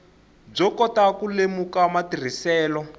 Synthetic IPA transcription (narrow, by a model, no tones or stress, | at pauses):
b͡ʐɔkɔtakulemukamatir̤isɛːlɔ